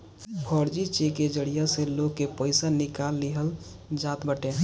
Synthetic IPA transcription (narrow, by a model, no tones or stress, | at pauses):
kʰɔɽd͡ʒit͡ʃeked͡ʒəɽijaseloɡkːepəɪsanɪkalːiɦəl | d͡ʒat̪bəʈe